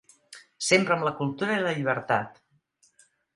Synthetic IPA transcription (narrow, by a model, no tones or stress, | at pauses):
sempɾəmləkulˠt̪uɾəiləʎiβ̞əɾt̪at̪